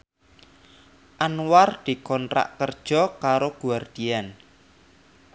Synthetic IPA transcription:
ʔanward̪̥i̤kɔntɾa̰ʔkərd̥ʒ̥ɔkaɾoɡ̥uward̪̥ian

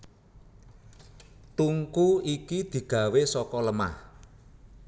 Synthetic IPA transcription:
t̪uŋkuikid̪̥i̤ɡ̥ä̤wesɔkɔləma̰h

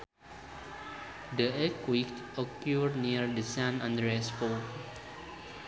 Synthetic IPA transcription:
dəɛkwikɔkjuɹniəɹdəsãnãndɹɛsfo

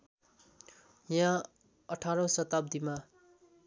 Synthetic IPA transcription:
jã | ʌʈʰaɾʌ̃sʌt̪ap̚d̪ima

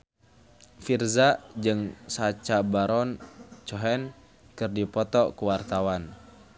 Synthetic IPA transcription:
firzad͡ʒɨŋsat͡ʃabaɾɔnt͡ʃɔɦɛn | kɨrdipɔt̪ɔkuwart̪awan

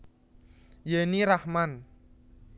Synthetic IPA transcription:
jeniɾahman

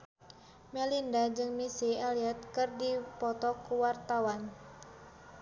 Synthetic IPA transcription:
mɛlindad͡ʒɨŋmisialiɛt̪̚kɨrdipɔt̪ɔkuwart̪awan

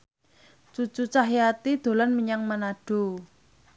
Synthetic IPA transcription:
t͡ʃut͡ʃut͡ʃaɦjat̪id̪̥o̤lanməɲaŋmanaɖ̥o̤

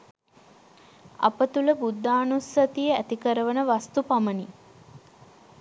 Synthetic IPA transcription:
a̰pət̪uləbud̪ʱːaːnusɐt̪ijəæt̪ikəɾəʋənəʋast̪upaməni

